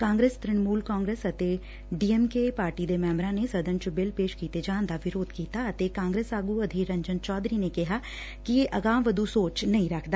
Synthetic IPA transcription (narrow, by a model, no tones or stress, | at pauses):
kãːŋɡɾeːst̪ɾɪɳmuːlkaːŋɡɾeːsət̪eː | ɖiːɛːmkeːpaːɾʈiːd̪eːmɛ̃ːmbɾãːneːsəd̪ənt͡ʃəbɪlpeːʃkiːt̪eːd͡ʒãːnd̪aːʋɪɾoːd̪kiːt̪aːət̪eːkãːŋɡɾeːsaːɡuːəd̪ʱiːɾəɲd͡ʒənt͡ʃɔːd̪ɾiːneːkɪɦaː | kɪeːʔəɡãːmʋəd̪uːsoːt͡ʃnəĩːɾəkʰd̪aː